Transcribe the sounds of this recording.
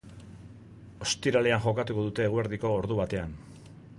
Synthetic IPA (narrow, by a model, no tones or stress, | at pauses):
o̞st̪iɾale̞aŋʝo̞kat̪uko̞ðut̪e̞ːɣueɾðiko̞ːɾðuβ̞at̪e̞an